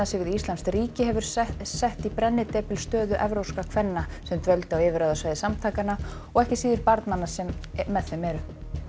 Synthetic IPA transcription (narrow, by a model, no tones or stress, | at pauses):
asɪvɪðist̪lanst̪ɾiːcɪɦɛvʏɾ̥sɛht̪ipɾɛnːɪt̪ɛpɪlst̪œːðʏʔɛvɾowskakʰvɛnːasɛmt̪vœlt̪awɪvɪɾaːðasvaːjðɪsamt̪ʰaːkana | ɔɣɛhcɪsiːðɪɾpaɾt̪nanasɛmːɛðθemɛɾʏ